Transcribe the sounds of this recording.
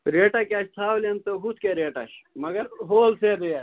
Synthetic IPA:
ɾeːʈakʲat͡ʃt̪ʰaːwlɐnt̪oɦut̪ʰkeɾeːʈɐ̰ʃmɐɡɐɾɦoːlsed̪eja

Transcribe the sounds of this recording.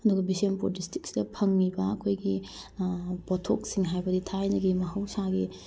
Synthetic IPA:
ɐduɡɐbisempudistik̚sidɐpʰɐŋnibɐɐkʰojɡi | potʰok̚siŋɦajbɐditʰajnɐɡimɐɦɐwsaɡi

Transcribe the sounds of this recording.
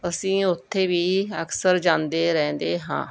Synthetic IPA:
əsĩːʊt̪ʰːeːʋiːəksəɾd͡ʒãːnd̪eːɾɛ̃ːnd̪eːɦã̰ː

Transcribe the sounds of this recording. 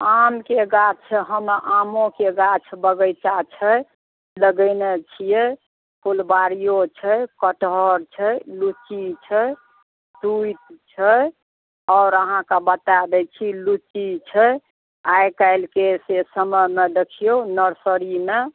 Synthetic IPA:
amkeɡat͡ʃʰɦəmʔamõkeɡat͡ʃʰbəɡəjt͡ʃat͡ʃʰə | ləɡəɪnet͡ʃʰijɛ | pʰulbaɾijot͡ʃʰəkəʈɦɔɾt͡ʃʰəlut͡ʃit͡ʃʰə | t̪uit̪̚t͡ʃʰə | ɔʊɾəɦãkabət̪ad̪ɛt͡ʃʰilut͡ʃit͡ʃʰə | ajkaɪlkesesəməmed̪ekʰijonəɾsəɾime

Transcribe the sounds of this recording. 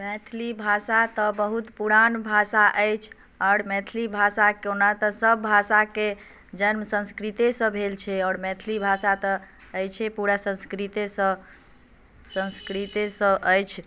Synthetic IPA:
mɛ̃t̪ʰlibʱasat̪əbəɦut̪puɾanbʱasaʔəjt͡ʃʰ | ɔːɾmɛ̃t̪ʰlibʱasakeonat̪əsəbːʱasake | d͡ʒənməsə̃skɾit̪esə̃bʱelt͡ʃʰɛɔːɾmɛ̃t̪ʰlibʱasat̪ɔ | əjt͡ʃʰɛpuɾasə̃nskɾit̪esə̃ | sə̃nskɾit̪esə̃əjt͡ʃʰ

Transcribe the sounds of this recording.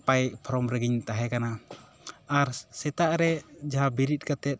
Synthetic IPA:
pajpʰɔɾɔmɾɛɡiɲt̪aɦɛkana | aɾsɛt̪aʔɾɛd͡ʒaɦabiɾit̪̚kat̪ɛt̪̚

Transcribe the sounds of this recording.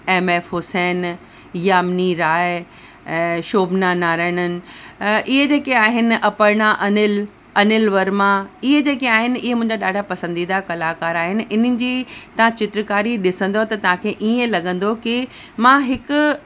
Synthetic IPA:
eːmeːfɦoːsɛːn | jaːmniɾaːɪ̃ | ʃoːbʱnanaːɾaːɪɽ̃ənɪ̆ʔɪɦed͡ʑeːkeaːɦɪnɪ̆ʔɐpəɾɽ̃aʔɐnɪl | ɐnɪlʋɐɾmãɪɦed͡ʑeːkeaːɦɪnɪ̆ɪɦemʊ̃ɪ̃ɲd͡ʑaɗaːɖʱapɐsə̃nd̪id̪akɐlaːkaːɾaːɦɪnɪ̆ʔɪn̤ənɪ̆d͡ʑiːt̪ɐʋ̤ãt͡ɕɪt̪ɾəkaːɾiɗɪsə̃nd̪ot̪ɐt̪ɐʋ̤ãkʰeːʔiːẽlɐɠə̃nd̪okɪ | mãːɦɪkʊ

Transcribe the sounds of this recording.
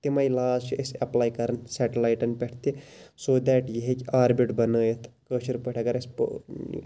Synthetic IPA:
t̪imaːjlaːzt͡ʃiʔesɐplaːjkɐɾɐnsɛʈɐlaːjʈɐnpʲɛʈʰt̪isoːd̪ɛːʈjiɦekiaːɾbiʈbɐnəːjet̪ʰkəːʃʰiɾpəʈʰɐkɐɾɐsp

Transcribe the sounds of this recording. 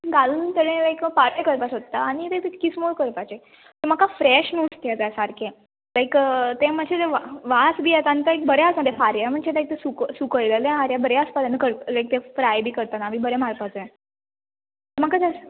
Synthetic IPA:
ɡaluːnt̪əɽẽlajkfaɾajkəɾpasot̪t̪ːaːɽ̃it̪et̪eːismoɭkəɾpat͡ɕe | t̪əɾmakafɾɛɕnuʈt̪jad͡zasaɾkʰẽ | lajkt̪eməd͡ʑʰed͡zeʋaʋasbiːet̪ant̪əek̚bəɾeasãd̪efaɾjam̤əɳt͡ɕelajk̚t̪esuksukəɭlelẽaɾjabəɾeaspat̪anəkəɾlajk̚t̪efɾajbiːkəɾt̪anamibəɾemaɾpat͡sẽ | t̪əmakat͡sas

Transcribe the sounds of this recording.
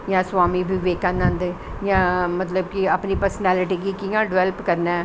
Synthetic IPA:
jãːsʋaːmibʱiʋeːkãːnãːnd̪ejãːmət̪ləb̚kiəpnipəɾsnɛːlɪʈikikijãːɖʋɛlpkəɾnaɛ

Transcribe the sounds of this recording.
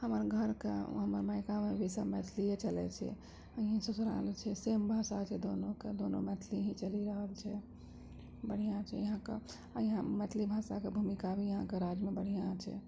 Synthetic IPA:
həməɾɡʱəɾkḛɦəməɾməɪkamebʱisəmɛt̪ʰlijet͡ʃəlɛ̰t͡ʃʰɛ̰ | əɦĩsusɾa̰lt͡ʃʰɛsembʱasat͡ʃʰɛd̪onoked̪onomɛt̪ʰliɦĩt͡ʃəliɾəɦəlt͡ʃʰɛ | bəɽ̤ijãt͡ʃʰɛ̰jəɦãkḛ | əjɦãmɛt̪ʰlibʱasakebʱumikabʱijəɦãkeɾad͡ʒmebəɽ̤ijãt͡ʃʰɛ̰

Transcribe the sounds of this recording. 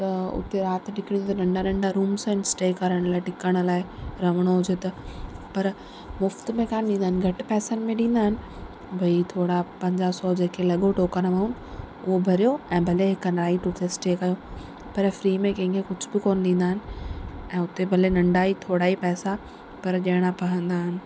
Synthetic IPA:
t̪ɐʊ̰t̪eɾaːt̪ɗɪkɪɽ̃ijt̪ɐnɐ̃ɳɖanɐ̃ɳɖaɾuːmsə̃ɪnsʈeːkɐɾəɽ̃laːɪʈɪkəɽ̃ʊ̆laːɪɾɐʋəɽ̃oɦʊd͡ʑet̪ɐpɐɾ | mʊft̪mẽkaːnɗĩːnd̪aɦɪnɪɡʱɐʈɪ̆pɛːsənɪ̆mẽɗĩːnd̪aːɦɪnɪ̆ | bʱɐit̪ʰoːɽapɐ̃ɲd͡ʑasɔːd͡ʑeːkʰelɐɠoʈoːkəñʋaːɦuːnɪ̆ | ʊɦobʱɐɾijoɛ̃ːbʱɐleɦɪkənɾaːiʈʊʈ̪ʰesʈeːkɐjo | pɐɾfɾiːmẽkɐ̃ɦɪ̃ŋkʰekʊd͡ʑʱʊbɪkoːnɪɗ̪ĩːnd̪aːɦɪnɪ̆ɛ̃ːʊt̪ebʱɐlenɐ̃ɳɖaɦit̪ʰoːɽaɦipɛːsa | pɐɾʄɐɽ̃apɐɦə̃nd̪aːɦɪnɪ̆

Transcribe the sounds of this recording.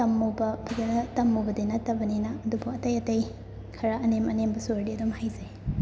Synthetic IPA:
tɐmːubɐpʰɐdenɐtɐmːobɐdenɐtːɐbɐninɐːdubuɐtɐjɐtɐj | kʰɐɾɐɐnemɐnembɐsoɾdiɐdumhajzɐj

